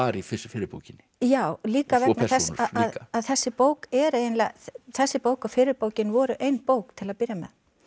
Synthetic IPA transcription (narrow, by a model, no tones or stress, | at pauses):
aːɾifɪsɪfɪɾɪɾpo̰wcɪnːɪjaːwliːkavɛknɛθɛssaðaðkaaðθɛsːɪpoːwkɛɾejɪnlɛθɛsːɪpoːwkaðfɪɾɪɾpoːwcɪnvɔɾʏʔejnpoːwkt̪ʰɪlaðpɪɾjamɛ̰ð